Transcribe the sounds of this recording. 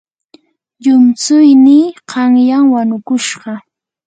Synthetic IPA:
ʎʊmt͡sʊjniːqɑŋjaŋwanʊkʊʃɢɑ

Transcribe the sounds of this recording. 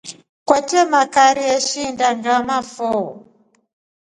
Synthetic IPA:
kwɛtɛmakaɾiɛʃindandamafɔɔ

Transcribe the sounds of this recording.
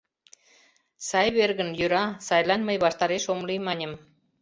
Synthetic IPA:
sɑjβerɣənjyɾɑsɑjlɑnməjβɑʃt̪ɑɾeʃomlimɑnʲə̆m

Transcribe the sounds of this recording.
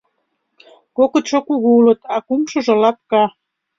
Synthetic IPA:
kokə̆t̪ʃokuɣuulə̆t̪ɑkumʃɤ̆ʒɤ̆lɑt̪̚kɑ

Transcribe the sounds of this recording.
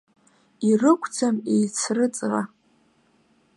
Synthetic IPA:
irɨkʷʰʼd͡zamejt͡sʰrɨt͡sʼʁa

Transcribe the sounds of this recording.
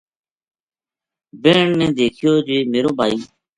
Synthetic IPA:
beːɳnẽːd̪eːkʰɪjoːd͡ʒeːmeːɾoːbʱaːiː

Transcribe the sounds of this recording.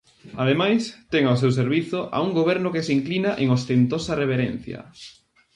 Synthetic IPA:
aðemajst̪ɛŋaos̬ews̬eɾβiθʊʔa̰uŋɡoβ̞ɛɾnʊkesiŋklinaʔeŋost̪ent̪osɐreβ̞eɾɛn̟θjɐ̰

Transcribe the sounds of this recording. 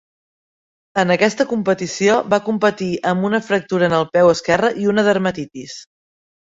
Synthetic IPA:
ənəkɛst̪əkumpət̪isioβakumpət̪iəmbunəfɾək̚t̪uɾəːnəlˠpɛwəskɛrəʔiunəðəɾmət̪it̪is

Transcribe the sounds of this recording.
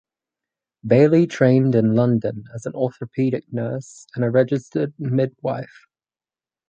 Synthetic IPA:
beɪlitʰɹ̥ẽɪ̃ndɪ̃nlʌ̃ndə̃nəzə̃nɔˑθəɹəpʰiːɾɪk̚nɜˑsə̃nəɹɛd͡ʒɪstəd̚mɪd̚wa̰ɪf

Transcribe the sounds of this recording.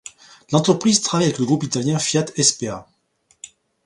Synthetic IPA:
lɑ̃t̪χəpχizt̪χavajavɛkləɡʁupit̪aljɛ̃fjat̪ɛspea

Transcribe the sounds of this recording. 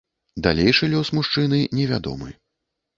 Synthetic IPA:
d̪a̰lʲejʂɨlʲɔsmuʂt͡ʂɨnɨnʲɛvʲa̰d̪ɔ̰mɨ̰

